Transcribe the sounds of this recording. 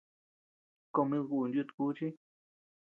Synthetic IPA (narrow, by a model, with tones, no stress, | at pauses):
ko˧mĩ˧ɣu˧˨˧nd̪u˧t̪u̥˧ku˦t͡ʃi˦